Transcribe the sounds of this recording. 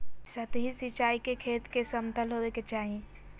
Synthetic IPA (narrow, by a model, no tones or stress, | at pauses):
sət̪ɦisɪt͡ʃaːikekʰeːt̪kesəmt̪əlɦoːeket͡ʃaːɦẽ